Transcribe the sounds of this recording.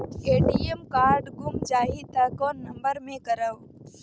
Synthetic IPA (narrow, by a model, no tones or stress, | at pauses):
eːʈiːemkaːɾɖɡʊmd͡ʒaːit̪akoːnːəmbəɾmẽkəɾəʋ